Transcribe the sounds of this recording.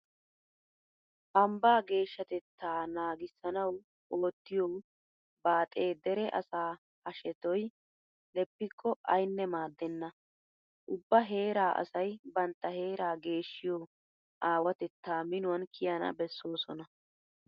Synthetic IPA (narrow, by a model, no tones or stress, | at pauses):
hɐmbaːɡe̞ːʃːɐt̪ɛt̪ʰːaːnaːɡɪsːɐnɐw | o̞ːt̪ːɪjow | baːt̪ʼe̞ːd̪ɛɾɛʔɐ̰saː | hɐʃɛt̪ɔj | lɛpːɪkʰːɔɐjnːɛmaːd̪ːɛnːɐ | ʔʊbːɐɦe̞ːɾaːʔɐ̰sɐjbɐnt̪ːɐhe̞ːɾaːɡe̞ːʃːɪjoː | ʔaːwɐt̪ɛt̪ːaːmɪnʊwɐnkʰɪjɐnɐ̰bɛsːo̞ːsɔnɐ